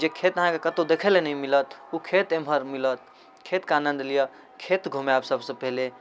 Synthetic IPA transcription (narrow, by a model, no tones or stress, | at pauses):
d͡ʒekʰet̪əɦãkekət̪od̪ekʰɛlenəĩmilət̪ukʰet̪emɦəɾmilət̪̚ | kʰet̪kanə̃nd̪lijə | kʰet̪ɡʱumabsəbsə̃pele